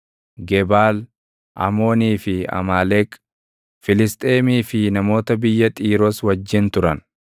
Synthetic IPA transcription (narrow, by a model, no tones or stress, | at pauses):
ɡɛbaːl | ʔɐ̰mo̞ːniːfɪɐ̰maːlɛk | fɪlɪst̪ʼe̞ːmiːfɪnɐmo̞ːt̪ɐbɪjːɐt̪ʼiːɾoswɐd͡ʒːɪnt̪ʊɾɐn